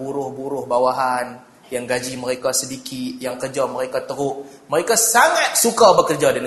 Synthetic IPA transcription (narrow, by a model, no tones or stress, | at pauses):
buɾʊhbuɾʊhbawaɦan | jaŋɡad͡ʒiməɾekasədikʰɪt̪jaŋkərd͡ʒaməɾekat̪əɦʊʔməɾekasaŋat̪̚sukabəkərd͡ʒadan